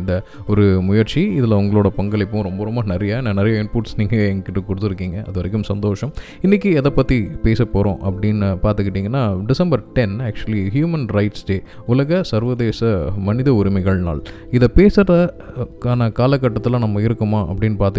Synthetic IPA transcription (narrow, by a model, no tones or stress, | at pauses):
nd̪ɐ | ɔɾɯmʊjɐɾt͡ʃiɪðɪlɐʊŋɡɐɭoːɽɐpɐŋɡɐɭɪpːʊ̃ɾɔmbɐɾɔmbɐnɪɾɐjɐɪnɐnɪɾɐjɐɪnpuːʈsniːŋɡɐɛŋɡɐkːɪʈːɐkʊɽɯt̪ːɪɾɯkːiːŋɡɐʔɐðɯʋɐɾɐk̬ːɯmsɐnd̪oːʂɐmɪnːɪk̬ːɯɛðɐpːɐt̪ːipeːsɐpːoːɾõ̰ːʔɐpːɐɽɪnpaːɾt̪ɯkːɪʈːiːŋɡɐnːaːɖɪsɐmbɐɾʈɛnæːk̚t͡ʃʊɐliɦjuːmɐnɾɐɪʈsʈeː | ʊlɐɣɐsɐɾʋɐðeːsɐmɐnɪðɐʊɾɪmɐɪɣɐɭna̰ːl | ɪðɐpeːsɾɐɐkaːnɐkaːlɐkːɐʈːɐt̪ːɯl̃nɐmːɐɪɾɯkːɯmaːʔɐ̰pːɐɽɪnːpaːɾt̪ɯ